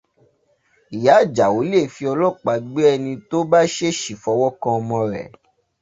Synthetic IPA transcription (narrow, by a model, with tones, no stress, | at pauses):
i˨ja˨˦˨d͡ʒa˨wo˨˦le˦˨fi˧˦ɔ˧lɔ˦˨k͡pa˨˦ɡ͡be˦ɛ˧nĩ˧to˦ba˦ʃe˦ʃi˨fɔ˧˦wɔ˦kã˧ɔ˧mɔ̃˧ɾɛ̰˨